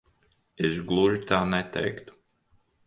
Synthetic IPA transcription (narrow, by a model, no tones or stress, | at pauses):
esɡlˠuʒit̪aːnɛt̪ɛ̰jkt̪u̥